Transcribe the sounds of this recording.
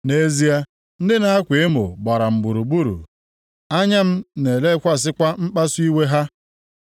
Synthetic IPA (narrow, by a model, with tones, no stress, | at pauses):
ne˦zi˦a˦ | n̩˦dɪ˦na˦a˦kʷe˨˦mʊ̰˨ɡ͡ba˨ɾa˨m̩˨bu˨ɾu˨ɡ͡bu˦ɾṵ˨ | a˦ɲa˦m̩˦ne˨le˦kʷa˦s̬ɪ˦kʷa˦m̩˦k͡pa˦su˦i˦we˦ɦa˦